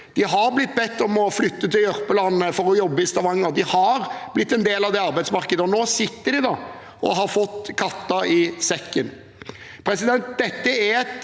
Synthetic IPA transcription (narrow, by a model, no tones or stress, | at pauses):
d̪̥ɪɦɑɾblɪt̪ːbɛt̪ːɔmɔflʏt̪ːət̪ɪljœɾpəlɑnːəfɔɾɔjɔbːəɪst̪ɑʋɑŋːɑɾd̪ɪhɑɾb̥lɪt̪ːɛnd̪eːlɑʋd̪ɛɑɾbæɪsmɑɾkəd̪əɔnoːsɪt̪ːəɖɪd̪ɑ | ʔɔ̰ɦɑɾfɔt̪ːkʰɑt̪ːɑɪsɛkːən | pʰɾɛsɪd̪ɛnt̪̚d̪ɛt̪ːəæɾɛt̪